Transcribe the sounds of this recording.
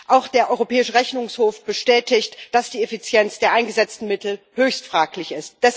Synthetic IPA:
ʔaʊxd̥eːɐʔɔʏʁopʰɛːɪʃəʁɛçnʊŋshoːfb̥əʃtɛːtɪçtd̥asd̥iːefit͡sjɛnt͡sd̥eːɐʔaɪnɡəzɛt͡stn̩mɪtl̩høːçstfʁ̥aːklɪçɪst̚d̥ɛs

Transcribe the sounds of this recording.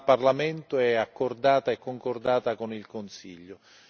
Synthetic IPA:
parlamɛnt̪ʊɛakːord̪aːt̪aɛkːoŋkord̪aːt̪akonilkʊnsḭʎːʊ

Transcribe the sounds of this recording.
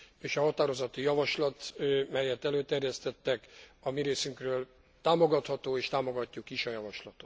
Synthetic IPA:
eːʃɒɦɒt̪aːɾo̞zɒt̪ːijɒvɒʃlɒt̪mɛlːɛt̪ːɛløːt̪ɛrjɛst̪ɛt̪ːɛkɒmiɾeːsyŋkrøːl | t̪aːmoɡɒt̪hɒt̪oːeːʃt̪aːmo̞ɡɒcːukiʃɒjɒvɒʃlɒt̪ot̪

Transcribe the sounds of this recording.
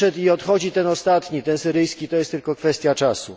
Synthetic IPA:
ɛt̪iɔt̪xɔd͡ʑit̪ɛnɔst̪at̪ɲit̪ɛnsɘɾɘjskʲit̪ɔjɛst̪ːɘlkɔkfɛst̪ʲjat͡ʂasṵ

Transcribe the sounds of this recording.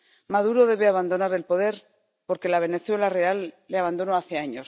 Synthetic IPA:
maðuɾo̞ðe̞βe̞aβ̞and̪o̞naɾe̞lpo̞ðe̞ɾ | po̞ɾke̞laβ̞e̞ne̞θwe̞lare̞alː | eaβand̪onoaθe̞aɲos

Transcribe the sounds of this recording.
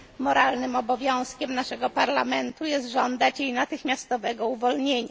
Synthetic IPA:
mɔɾʔalnɘmɔbɔvʲjɔ̃w̃skʲɛmnaʂɛɡɔpaɾlamɛnt̪ujɛst̪ʐɔnd̪at͡ɕjejnat̪ɘxmʲjast̪ɔvɛɡɔuvɔlɲeɲa

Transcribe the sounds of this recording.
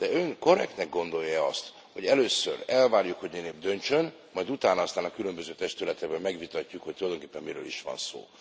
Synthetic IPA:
d̪̥ɛøŋko̞ɾɛ̰kt̪nɛɡɡo̞nd̪o̞jːɛɒst̪ | ho̞ɟɛløːsø̰rɛlvaːrjukho̞ɟmineːbd̪ø̞nt͡ʃø̞n | mɒjd̪ut̪aːnɒɒst̪aːnɒkylømbøzøːt̪ɛʃt̪ylɛt̪ɛɡbɛmːɛɡʋit̪ɒcːukhoc̚t̪ulɒjd̪oŋkeːpːɛmmiɾø̰ːliʃʋɒ̰nso̰ː

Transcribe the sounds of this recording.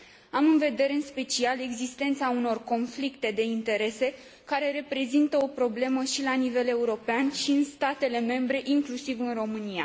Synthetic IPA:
amɨnve̞d̪e̞ɾeɨnspe̞t͡ʃiale̞ɡzist̪e̞nt̪sauno̞rko̞nflikt̪e̞d̪e̞int̪e̞ɾe̞se̞ | kaɾe̞ɾe̞pɾe̞zint̪əo̞pɾo̞ble̞məʃilanive̞le̞uɾo̞peanʃiɨnst̪at̪e̞le̞me̞mbɾe̞ʔiŋklusivɨnro̞mɨnija̰

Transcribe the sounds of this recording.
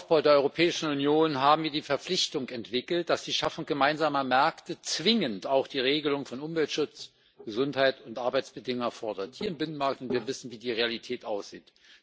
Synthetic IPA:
aʊsb̥aʊdeːɐɔʏʁopʰɛːɪʃn̩ʊnjoːnɦaːbm̩viːɐdiːfɛɐp͡flɪçtʊŋɛntv̥ɪkl̩t̚d̥asd̥iːʃafʊŋɡ̥əmaɪnzaːmɐmɛɐktət͡sv̥ɪŋəntaʊxd̥iːʁ̞eːɡəlʊŋfɔnʔʊmvɛltʃʊt͡s | ɡ̥əzʊnthaɪtʊntʔaɐbaɪt͡sb̥ədɪŋʊŋfɔɐdɐthiːɐɪmbɪnən̩maɐk̚tʊntv̥iːɐvɪsn̩viːdiːʁealitʰɛːtʔaʊsz̥iːt

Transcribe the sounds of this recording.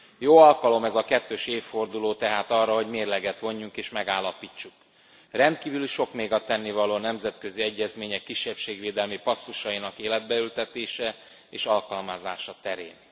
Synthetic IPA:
joːɒlkɒlo̞mɛzɒkɛt̪ːøːʃeːfːo̞rd̪uloːt̪ɛɦaːt̪ɒrːɒɦo̞ɟmeːrlɛɡɛt̪ʋo̞ɲːuŋkeːʃmɛɡaːlːɒpiːt͡ʃːuk | rɛnt̪̚kiːvyliʃo̞kmeːɡɒt̪ɛnːivɒloːnɛmzɛt̪kø̞ziɛɟːɛzmeːɲɛkːiʃːɛpʃeːɡʋeːd̪ɛlmipɒsːuʃɒinɒkeːlɛd̪̚bɛylt̪ɛt̪eːʃɛ | eːʃɒlkɒlmazaːʃɒt̪ɛɾḛːn

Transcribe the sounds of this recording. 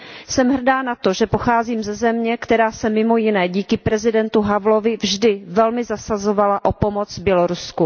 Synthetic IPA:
sɛmɦr̩daːnat̪oʒɛpoxaːziːmzɛzɛmɲɛkt̪ɛɾaːsɛmɪmo̞jɪnɛːɟiːkɪpɾɛzɪdɛnt̪uɦavlo̞vɪvʒdɪvɛlmɪzasazovalaʔopo̞mot͡svbjɛloɾusku

